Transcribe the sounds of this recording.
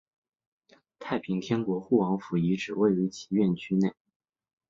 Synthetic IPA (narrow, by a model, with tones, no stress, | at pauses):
t̪ʰa˥˩ɪpʰi˧˥ŋt̪ʰjɛ˥nkwɔ˧˥xu˥˩wɑ˧˥ŋfu˧˥i˧˥ʈ͡ʂɻ̩˨˩we˥˩ɪy˧˥t͡ɕʰi̥˧˥ɥɛ˥˩nt͡ɕʰy˥ne˥˩ɪ